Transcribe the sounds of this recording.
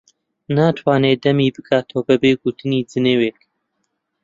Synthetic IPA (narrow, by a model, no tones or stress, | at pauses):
naːt̪ʰwɑːneːd̪ɐmiːbɨkʰaːt̪ʰoːbɨbeːɡut̪ʰɨniːd͡zɨneweːk